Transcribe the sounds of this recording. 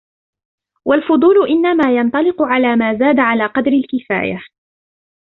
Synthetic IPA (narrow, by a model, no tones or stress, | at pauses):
walfʊd̪ˤuːlʊʔɪnːamaːjɑnt̪ˤɑlɪqʊʕalaːmaːzaːd̪aʕalaːqɑd̪ɾɪlkɪfa̰ːja̰